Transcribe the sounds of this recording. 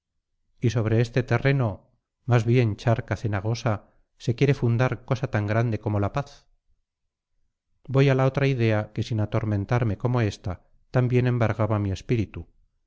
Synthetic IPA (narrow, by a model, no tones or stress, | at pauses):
iso̞β̞ɾe̞est̪e̞t̪e̞re̞no̞ | mazβje̞nt͡ʃaɾkaθe̞naɣ̞o̞sa | se̞kje̞ɾe̞fund̪aɾko̞sat̪aŋɡɾand̪e̞ko̞mo̞lapaθ | bo̞jalao̞t̪ɾaiðe̞ake̞sinat̪o̞ɾmẽ̞nt̪aɾme̞ko̞mo̞e̞st̪a | t̪ambje̞nẽ̞mbaɾɣaβamie̞spiɾit̪u